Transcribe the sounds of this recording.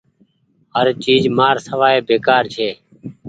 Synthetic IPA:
ɦəɾt͡ʃiːd͡ʒmaːɾsəʋaːeːbeːkaːɾt͡ʃʰeː

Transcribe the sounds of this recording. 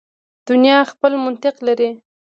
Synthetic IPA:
d̪̥ʊnjɑxpəlmʊnt̪ɪqlaɾi

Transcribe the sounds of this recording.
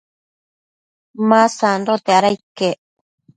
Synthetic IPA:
mãsand̪ot̪eaɾaike

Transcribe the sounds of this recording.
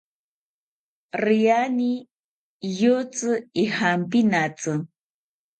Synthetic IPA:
rijani | jot͡sɨihampinat͡sɨ

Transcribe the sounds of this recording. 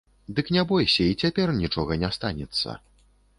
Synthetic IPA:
d̪ɨknʲɛbɔjsʲɐit͡sʲapʲɛrnʲit͡ʂɔɣɐnʲɛst̪anʲɛt̪sːɐ̰

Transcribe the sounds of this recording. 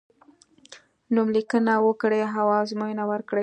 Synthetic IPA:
numlikənawəkɽeɦawɑzmojnawəɾkɽe

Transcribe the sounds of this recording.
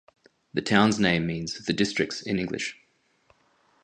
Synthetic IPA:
ðətʰãʊ̃nznẽɪ̃mːĩːnz̥ðədɪstɹ̥ɪk̚tsɪ̰̃nɪ̃ŋɡlɪ̰ʃ

